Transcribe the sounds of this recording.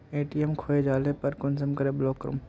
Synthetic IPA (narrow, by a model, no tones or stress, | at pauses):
eːʈiemkʰoːed͡ʒaːlepɐɾkʊnsəmkɐɾebloːkːɾṵːm